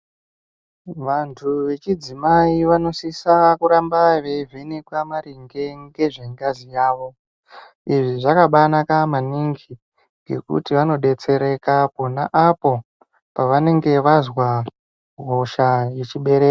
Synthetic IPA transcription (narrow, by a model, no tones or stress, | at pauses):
ʋantʰuʋe̞t͡ʃid͡zimaiʋano̞sisakuɾambaʋevʱenekwamaɾiŋɡe̞ŋɡe̞ʐe̞ŋɡazijaːʋo̞ | iʐiʐakaɓanakamaniŋɡi | ŋɡe̞̰kṵtiʋano̞ɗe̞t͡se̞ɾe̞kakonaʔapo̞ | paʋane̞ŋɡe̞ʋazwa | ɦo̞ʃajet͡ʃiɓe̞ɾe̞ːka